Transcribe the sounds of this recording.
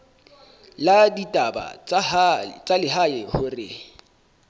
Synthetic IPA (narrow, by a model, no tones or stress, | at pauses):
laditʼaba̰ | t͡sʼalɪɦaɪhʊrɪ̰